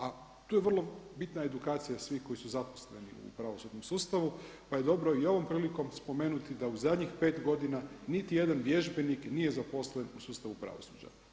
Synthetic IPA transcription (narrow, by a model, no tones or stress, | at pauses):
a | t̪uːjeʋərlˠo̞bit̪nae̞d̪ukaːt̪sijasʋihko̞jisuzaposleniṵpɾaʋo̞sud̪nomsuːst̪aʋu | paje̞d̪o̞bɾo̞io̞ʋo̞mpɾiːliko̞mspo̞me̞ːnut̪id̪auzad̪ɲixpe̞ːt̪ɡo̞d̪inanit̪ije̞d̪anʋje̞ʒbe̞niknije̞zapo̞slenusuːst̪aʋupɾa̰ʋo̞̰sud͡ʑa̰